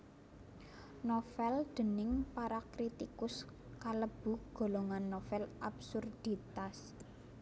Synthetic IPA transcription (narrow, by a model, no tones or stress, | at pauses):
nofɛld̪̥ə̤nɪŋpaɾakɾit̪ikʊs | kaləb̥ṳɡ̥o̤loŋanːɔfɛlabsurd̪̥it̪as